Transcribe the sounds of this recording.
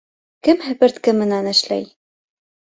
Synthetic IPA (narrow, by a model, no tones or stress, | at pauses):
kɘmɦɘ̆pɘ̆ɾt̪kɘmɘ̆nænɘ̆ʃlæ̰j